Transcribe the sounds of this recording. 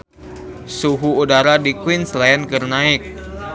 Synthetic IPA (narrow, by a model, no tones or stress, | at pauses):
suɦuudaɾadikwinslaankərnaɪk̚